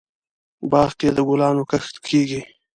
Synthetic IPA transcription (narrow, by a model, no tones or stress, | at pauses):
bɑːʁked̪əɡulɑːnokəxt̪kʰeːɡi